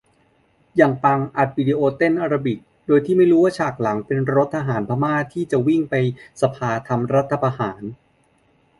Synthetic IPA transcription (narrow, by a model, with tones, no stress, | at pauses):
jaː˨˩ŋpa˧ŋʔa˨˩t̪̚wi˧diː˧ʔoː˧t̪e˥˩nʔaː˧ɾa˧bi˨˩k̚ | doː˧jt̪ʰiː˥˩ma˥˩jɾuː˦˥waː˥˩t͡ɕʰaː˨˩k̚la˩˦ŋpe˧nɾo˦˥t̪ʰːa˧ɦaː˩˦npʰaː˧maː˥˩t̪ʰiː˥˩t͡ɕa˨˩wi˥˩ŋpa˧jsa˧pʰaː˧t̪ʰa˧mɾa˦˥t̪ʰːa˧pʰa˧haː˩˦n